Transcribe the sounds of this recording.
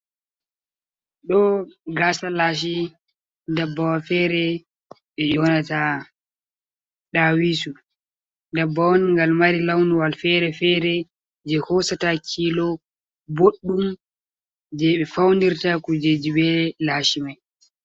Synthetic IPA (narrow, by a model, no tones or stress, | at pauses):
ɗɔɡasalaːʃ̬i | dabːawafɛɾɛ | ɓɛjɔnata | ɗawiːsu | dabːawɔnŋɡalmaɾilawnuwalfɛɾɛfɛɾɛ | d͡ʒɛhɔsatakʰiːlɔ | boɗːum | d͡ʒɛɓɛfawndiɾtakud͡ʒed͡ʒibɛlaːʃimaj